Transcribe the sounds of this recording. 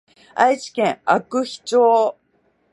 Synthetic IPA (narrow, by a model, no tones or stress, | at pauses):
a̰it͡ɕi̥kẽ̞ɰ̃akɯ̟çi̥t͡ɕoː